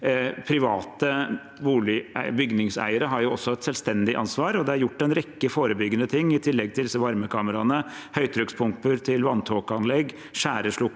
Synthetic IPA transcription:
pʰɾɪʋɑːt̪ə | ʋuːlɪæbʏɡnɪŋsæ̰ɪəɾəɦɑɾjʊɔsːɔɛt̪sɛlst̪ɛnd̪ɪʔɑ̰nsʋɑːɾɔd̪ɛɑɾjʊʈːɛnɾɛkːəfoːɾəbʏɡːənət̪ʰɪŋːɪt̪ʰɪlːɛɡ̚t̪ʰɪlɪsəʋɑɾməkʰɑːməɾɑnə | hœʏt̪ʰɾœkspʰʊmpəɾt̪ʰɪlʋɑnt̪ʰoːkɑnlɛɡː | ʂæːɾəʂɭʊkː

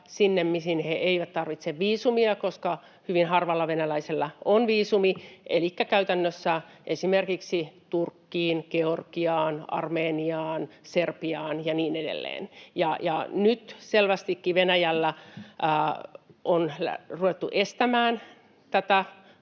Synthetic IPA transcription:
sinːemmisinheeiʋæt̪t̪ɑrʋit̪seʋʋiːsumiɑkoskɑ | hyʋinhɑrʋɑlːɑʋenælæiselːæʔonʋiːsumiʔḛlikːækæyt̪ænːøsːæ | ʔesimerkiksit̪urkːiːnkeorkiɑːnɑ̰rmeːniɑːnserpiɑːnjɑniːnedḛlːḛːnjɑjɑnyt̪selʋæst̪ikːiʋenæjælːæ | ʔon̰ruʋet̪ːuʔest̪æmæːn | t̪æt̪æ

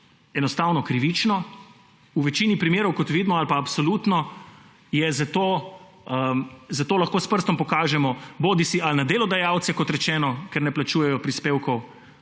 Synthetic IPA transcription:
ɛnɔst̪aːwnɔkɾiʋit͡ʃnɔ | uʋɛt͡ʃiːnipɾimeːɾɔwkɔt̪ʋiːd̪mɔalpaːpsoluːt̪nɔ | jɛzat̪oː | əzat̪oːlaxkoːspəɾst̪ɔmpɔkaːʒɛmɔboːd̪isialnad̪eːlɔd̪ajaːwt̪sɛkɔt̪ɾɛt͡ʃɛːnɔkɛɾnɛplat͡ʃuːjɛjɔpɾispeːwkɔw

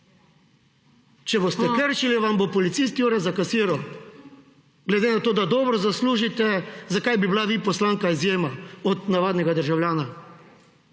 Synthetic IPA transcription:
t͡ʃɛbost̪ɛkəɾʃiliʋambopɔlit̪sist̪iuːɾɛzakasiːɾaw | ɡlɛd̪enat̪oːd̪ad̪ɔːbɾɔzasluːʒit̪ɛzakajbiblaʋipɔslaːŋkaizjeːmaɔd̪naʋaːd̪nɛɡad̪əɾʒawlʲjaːna

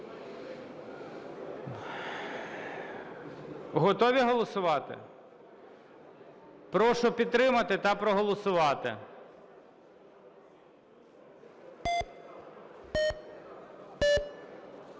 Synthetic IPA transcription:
ɦɔt̪ɔʋʲiɦɔlˠɔsʊʋɑt̪ɪ̰ | pɾɔʃʊpʲid̪t̪ːɾɪmɐt̪ɪt̪ɐpɾɔɦɔlˠɔsʊʋɑt̪ɪ̰

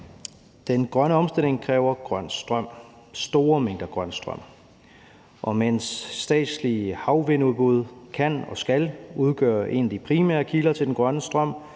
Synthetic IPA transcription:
d̥enɡ̥ʁɶnəɒ̽msd̥e̝l̰e̝ŋkʰʁɛːʊɐɡ̥ʁɶn̰sd̥ʁɶm̰ | sd̥o̝ːɐmeŋ̰ɡ̥ɐɡ̥ʁɶnsd̥ʁɶ̰m̰ | ʔɒ̽men̰sːd̥ɛ̰ːd̥sliəhɑ̈ʊʋenuðˠb̥uð̞̰ˠkʰænɒ̽sɡ̥æluð̞ˠɡ̥ɶ̰ːɐʔe̝̰næd̥ipʰʁimæ̰ɐkʰilɐt͡sʰe̝ldenɡ̥ʁɶnəsd̥ʁɶm̰

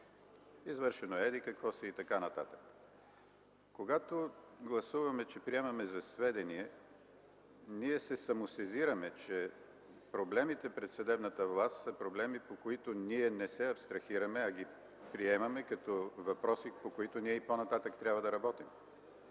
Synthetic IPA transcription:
izvɤɾʃɛnoɛd̪ikɐkvɔsɛit̪ɐkanɐt̪at̪ə̥k | koɡat̪oɡlˠɐsuvɐmɛt͡ʃɛpɾiɛmɐmɛzɐsvɛd̪ɛniɛ | niɛsɛsɐmosɛziɾɐmɛt͡ʃɛ | pɾoblɛmit̪ɛpɾɛt̪sɐd̪ɛbnət̪əvlˠast̪səpɾoblɛmipokoit̪oniɛnɛsɛɐpst̪ɾɐxiɾɐmɛɐɡi | pɾiɛmɐmɛkɐt̪ɔvɐpɾɔsipokoit̪oniɛiponɐt̪at̪əkt̪ɾʲabvɐd̪ɐɾɐbɔt̪im

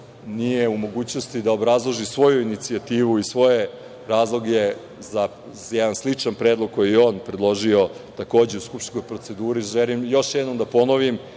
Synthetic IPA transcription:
nijeumo̞ɡuːt͡ɕnost̪id̪aobɾazlˠoʒisʋo̞juinit̪siat̪iːʋuisʋo̞je | ɾaːzlˠo̞ɡje | za | jɛd̪anslit͡ʂanpɾeːd̪lˠoɡ̚kːo̞jejeoːnpɾed̪lˠo̞ʒio̞t̪ako̞ːd͡ʑeuskupʃt̪ko̞jpɾo̞t̪se̞d̪uːɾiʒelimjo̞ʃjɛd̪no̞md̪apo̞noʋim

